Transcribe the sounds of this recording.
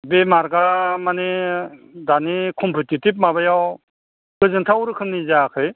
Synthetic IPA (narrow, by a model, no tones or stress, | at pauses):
bemaɾɡamane | danikʰɔmpʰutitip̚mabajaw | kɯzɯntʰawɾɯkʰɯnːizakʰɯj